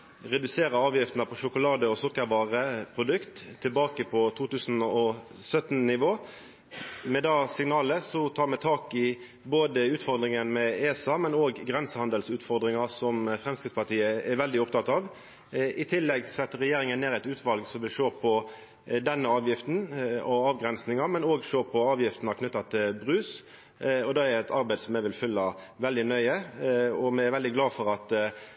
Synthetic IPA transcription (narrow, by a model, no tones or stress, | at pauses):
ʁɛd̪ʉseːɾəɑːʋjɪft̪n̩ɑpʰɔʃʊkʊlɑːd̪əɔsʊkːəɾʋɑːʁəpʰʁʊd̪ʉkt̪ʰːɪlbɑːkəpʰɔt̪ʰuːt̪ʉːsnɔsœt̪nnɪʋoː | mɛd̪ɑːsɪŋnɑːləsɔt̪ʰɑːɾmɛt̪ʰɑːkɪ | boːd̪əʉːt̪fɔɾd̪ɾɪŋənmɛeːsɑmɛnoːɡɡʁɛnsəhɑnd̪əlsʉːt̪fɔɾd̪ʁɪŋɑsɔmfɾʁɛmskʁɪt̪spɑʈ̪iːəɛɾʋɛld̪ɪɔpt̪ʰɑt̪ːɑːʋ | ʔɪt̪ʰɪlːɛɡsɛt̪ːəɾɛjeːɾɪŋənːeːɾɛt̪ʉːt̪ʰʋɑlɡsɔmʋɪlʃøːpʰɔ | d̪ɛnːəɑːʋjɪft̪n̩ɔɑːʋɡɾɛnsnɪŋɑmɛnoːɡʃøːpʰɔɑːʋjɪft̪n̩ɑkʰnʏt̪ːɑt̪ʰɪlbʁʉːs | ɔd̪ɑːɛɾɛt̪ʰɑɾbæɪd̪sɔmːæɪʋɪlfʏlːɑ | ʋɛld̪ɪnœʏəɔmɛɪɛɾʋɛld̪ɪɡlɑːfɔɾɑt̪